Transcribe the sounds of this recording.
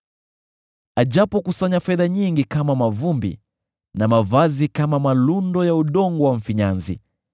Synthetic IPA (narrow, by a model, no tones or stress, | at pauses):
aʄapɔkusaɲafɛðaɲiŋɡikamamavumbḭ | namavazikamamalundɔjauɗɔŋɡɔwaɱ̩fiɲanzḭ